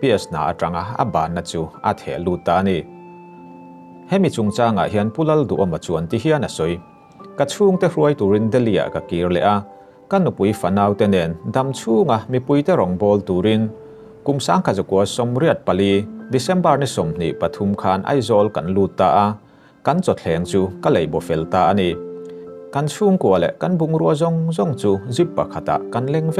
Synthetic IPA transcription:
piɐsna̰ː˨ʔa̰˨ʈa˨ŋa˧ɐ̰˨baː˨nːa˨t͡su˧ʔɐ̰˨t̪ʰɛ̰˨ʔluː˧t̪̚ːaː˧ni˨ | hɛ˦mi˨t͡su˨ŋt͡saː˧ŋa̰˨ʔɦi˨ɐnpu˦lɐ˦ld̪ṵ˨ʔa˧mɐ˨t͡suɐnt̪i˧ɦiɐnɐ˨sɔ˨j | kɐ˧t͡sʰuː˦ŋt̪ɛruəjt̪u˨ɾi˦nd̪ɛ˦li˧a̰˨ʔkɐ˨kiː˨rlɛ̰˨ʔa˧ | kɐ˦nu˨pu˨˧jfɐ˨naː˧wt̪ɛ˧nɛ˨nd̪ɐ˨mt͡sʰuː˦ŋa˨mi˨pu˧jt̪ɛ˦ɾɔ˨ŋbɔː˧lt̪u˨ɾi˦n | ku˨msaː˧˦ŋkʰa˨za˨ku˨ɐsɔ˧mɾi˦ət̪̚pɐ˨li˧d̪isɛ˦mbɐ˧rnisɔ˨mn̥ḭ˨ʔpɐt̪ʰu˧mkʰaː˧nʔɐ̰˦jzɔ˧lkɐ˨nluː˧t̪ːaː˧ʔa˧ | kɐ˦nt͡sɔ˨t̪ʰɛː˨˧ŋt͡su˧kɐle˨jbɔ˨fɛ˨lt̪aː˧ʔa˧ni˨ | kɐ˦nt͡sʰuː˦ŋku˨ɐlɛ̰˨ʔkɐ˦nbu˧ŋɾuɐzɔ˧ŋzɔ˧ŋt͡su˧zi˦pːa˨kʰa˨t̪a̰˨ʔkɐ˧nlɛ˧ŋvɛ˦

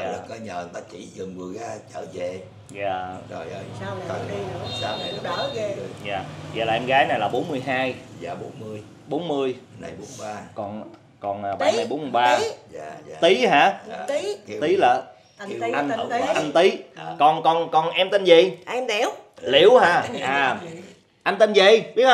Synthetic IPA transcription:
aː˨lə˦ə˨˦ɲəː˨˩˨t̪a˧˦t͡ɕi˧˩zɨ˨˩ŋvɨ˨˩əja˨˦t͡ɕə̰ː˧˨ze˨˩ | zaː˨˩zo˨˩jsaː˨˦˨ɗːzaː˨˩zaː˨˩laː˨˩ʔɛ˧mɣaː˨˦jna˨˩jlaː˨˩ɓo˨˦nmɨ˧əjɦaː˧jaː˨˩ɓo˨˦nmɨ˧əj | ɓo˨˦nmɨ˧əjna˧˩jɓo˨˦n˩ɓaː˧kɔ˨˩n | kɔ˨˩nʔaː˨˩ɓa˨˦na˧jɓo˨˦nmɨ˧jɓaː˧˨ | t̪i˨˦ɦaː˧˩˨ | t̪i˨˦laː˨˩ | ʔa˧n˧˨˧ʔa˧nt̪i˨˦kɔ˨˩nkɔ˨˩nkɔ˨˩nʔɛ˧mt̪e˧nzə˨˩jʔɛ˧mt̪ɛ˨˩wlḭ˧˨˦əwɦaː˨˩aː˨˩ | ʔa˧nt̪ə˧nzə˨˩jɓi˦ət̚

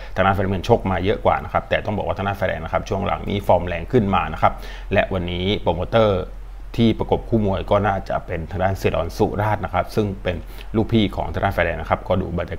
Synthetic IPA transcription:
t̪ʰa˨˧˩naː˦˥˩fɛ˧˩m˧nt͡ɕʰo˦˥˩k̚maː˧jɤ˦˥ʔkwa̰ː˨˩na˦˥kʰa˦˥p̚t̪ɛː˨˩t̪ɔ˥˩ŋbɔː˨˩kwa˥˩t̪ʰa˥˩fa˧ɛ̰˧na˦˥kʰa˦˥p̚t͡ɕʰu˥˩əŋlʔa̰˩˦ŋnʔḭː˦˥fɔː˧mlɛː˧ŋkʰɯ˥˩nmaː˧na˦˥kʰa˦˥p̚ | lɛ˦˥ʔwa˧nːiː˦˥poː˧moː˧t̪ɤː˥˩ | t̪ʰiː˥˩pɾa˧ko˨˩p̚kʰuː˥˩mu˧əjkɔː˥˩naː˥˩t͡ɕa̰˨˩ʔpe˧nt̪ʰa˧ŋdaː˥˩nsi˨˧˩dɔ̰ː˧nsṵ˦˩ɾaː˥˩t̪̚na˦˥kʰa˦˥p̚sɯ˥˩ŋpe˧n | luː˥˩k̚pʰiː˥˩kʰɔ̰ː˩˦ŋt̪a˧naː˥˩fɛː˧ɛː˧nːa˦˥kʰa˦˥p̚kɔː˥˩dṵː˨ba˨˧˩a˧

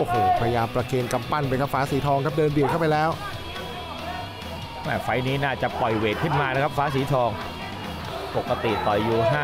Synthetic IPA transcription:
ʔoː˨˩hoː˧˩pʰa˧ja˧jaː˧mpɾa˧kʰeː˧nka˧mpa˥˩npa˧jkʰa˦˥p̚faː˦˥siː˩˦t̪ʰɔː˧ŋkʰa˦˥p̚dɤː˧nbi˨˩kʰa˥˩wpa˧jlɛː˦˥w | mɛː˥˩fa˦˥jniː˦˥naː˥˩t͡ɕa˨˩pɔ˨˩jweː˨˩t̪̚kʰɯ˥˩nmaː˧na˦˥kʰa˦˥p̚faː˦˥siː˩˦t̪ʰɔː˧ŋ | po˨˩ka˧t̪ḭ˨˩t̪ɔ˨˩jːuː˧ɦaː˥˩

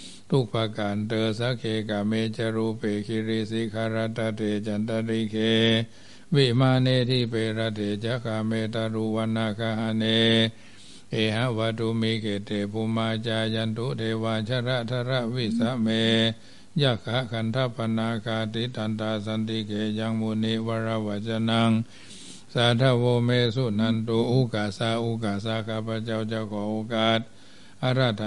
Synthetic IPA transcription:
t̪ʰu˧˨k̚pʰa˧ka˨nt̪əː˧sa˦˥kʰeː˧ka˨meː˧t͡ɕa˧ɾu˧peː˨˩kʰi˧ɾi˧˥si˦kʰa˧ɾa˧˥t̪ːa˧t̪ʰeː˨t͡ɕa˨nt̪a˧ɾi˧kʰeː˧ | wi˧˨maː˧neː˧˨t̪ʰiː˧˩˨peː˧ɾa˧t̪ʰeː˨t͡ɕa˧˦˥kʰa˧meː˧t̪a˧ɾu˧wa˧naː˧kʰa˧ha˧neː˧ | ʔeː˨ɦa˧˥˨wa˧t̪ʰu˧miː˧kʰeː˨t̪ʰeː˨˩pʰu˧maː˧t͡ɕaː˧ja˧nt̪u˦ʔt̪ʰeː˧waː˧t͡ɕʰa˧ɾa˧˥˨t̪ʰa˧˨ɾa˧˨ʔwi˧˨sa˦˥ʔmeː˧ | ja˧˨kʰa˧˦˥kʰa˧nt̪ʰa˧˥˨pʰːa˧naː˧kʰaː˧t̪i˦t̪ʰa˧nt̪aː˧sa˧nt̪i˧kʰeː˨ja˧ŋmu˧ni˦ʔwa˧ɾa˧wa˧˨t͡ɕa˧na˧ŋ | sa˨˧˦t̪ʰa˧˥˨woː˧meː˧su˧˨t̚na˧nt̪u˧ʔu˧˨kaː˨˩sa˧ʔu˧˨kaː˨sa˧˨kʰaː˧˨pʰa˧t͡ɕa˧˨wt͡ɕa˧kʰɔː˨˦ʔo˧˦kaː˧˩t̪̚ | ʔa˧˨ɾa˧˨t̪a˧

